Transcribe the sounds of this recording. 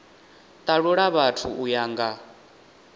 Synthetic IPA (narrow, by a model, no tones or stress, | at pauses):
t̪ʼaɺuɺaβatʰṵʔujaːŋɡa